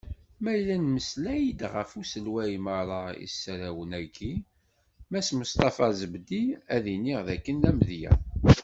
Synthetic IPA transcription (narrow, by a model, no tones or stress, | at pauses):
mæjlænməslæjid̪ʁəfusəlwæjməɾˤɑḭsːɾæwənæɡi | mæsməst̪ɑfɑzəbd̪iæðiniʁðækːənlæmðjæ̰